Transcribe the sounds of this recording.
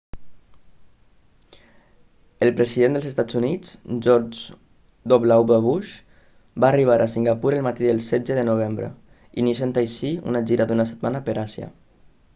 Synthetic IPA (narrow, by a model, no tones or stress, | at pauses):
əlˠpɾəziðend̪əlzəst̪ad͡zunid͡zʒɔɾd͡ʒ | d̪oβlawβəβuʃ | baːriβ̞aɾʔasiŋɡapuɾəlˠmat̪iðəlˠsɛd͡zəðənuβ̞embɾə̰ | ḭnisent̪ajsiṵnaʒiɾad̪unasət̪̚manəpəɾasjə̰